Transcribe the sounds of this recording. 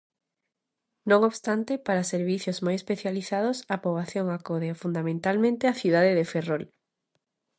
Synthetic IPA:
nõŋoβst̪ant̪epaɾaseɾβiθjozmojespeθjaliθað̞ʊsapɾoβlaθjoŋakoðeafund̪amẽnt̪almẽnt̪eaθiðaðeðeferol

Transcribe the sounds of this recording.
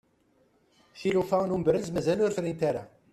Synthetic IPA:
θilufænumbəɾəzmæzælʊɾfɾint̪æɾæ

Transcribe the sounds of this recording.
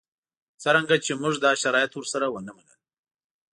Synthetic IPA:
t͡səɾaŋɡat͡ʃemuʐd̪ɑʃaɾɑjat̪wəɾsaɾawənamanə̰l

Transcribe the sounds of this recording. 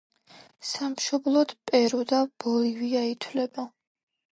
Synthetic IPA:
samʃɔblˠɔd̪̥pʼɛɾud̪ab̥ɔliviait̪ʰwlɛba

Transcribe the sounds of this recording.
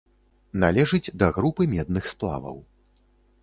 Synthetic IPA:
nalʲɛʐɨd͡zʲd̪ɐɣɾupɨmʲɛd̪̚nɨxsplˠa̰vɐ̰w

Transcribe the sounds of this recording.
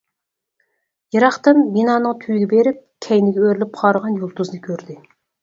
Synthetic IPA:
jɨɾɑχt̪ɨmbinɑːnɨŋt̪ʰyjiɡʲɛbeɾɪp̚kʲʰɛjnɪɡʲɛøɾlɪp̚qʰɑɾəʁɑnjolˠt̪uznɨkʲʰøɾd̪ɪ

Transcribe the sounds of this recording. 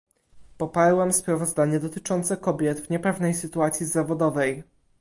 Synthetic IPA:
pɔpaɾwɛmspɾavɔzd̪aɲɛd̪ɔt̪ɘt͡ʂɔnt̪sɛkɔbʲjɛd̪vɲɛpɛvnɛjsɘt̪uat̪sʲjizavɔd̪ɔvɛj

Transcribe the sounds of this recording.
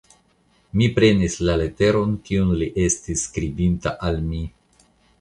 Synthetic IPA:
mipɾe̞nislale̞te̞ɾo̞nkiunliʔe̞stisːkɾibinta̰ʔalmi

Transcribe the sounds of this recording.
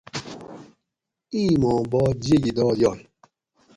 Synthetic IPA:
imɔbɔd͡ʒieɡidɔjɔ

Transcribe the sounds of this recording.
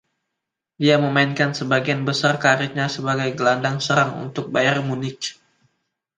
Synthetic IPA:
diaməmainkansəbaɡianbəsarkaɾɪt̚ɲasəbaɡajɡəlandaŋsəɾaŋṵnt̪ʊk̚bajarmunɪk

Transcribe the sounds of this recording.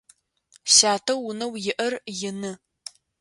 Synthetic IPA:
ɕaːtʰɐwːʊnɐwjɪʔɐrjɪnɨ

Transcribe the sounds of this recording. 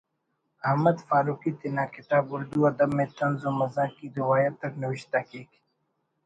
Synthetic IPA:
ɐɦməd̪faːɾuːkiːt̪ɪnaːkɪt̪aːbʊɾd̪uɐd̪əbmẽːt̪ɐnzoːmɐzãːkiɾɪwaːjət̪ːɐknɐʋɪʃt̪aːkeːk

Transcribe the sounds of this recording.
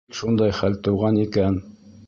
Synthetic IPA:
ʃund̪ɑjχælt̪ŏwʁɑnikæn

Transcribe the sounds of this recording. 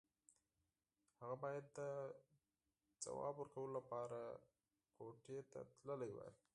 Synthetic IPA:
haɣabɑjad̪ːə | d͡za̰wɑ̰bwəɾkawəlolapɑɾa | koʈet̪a̰t̪ləlajwa̰j

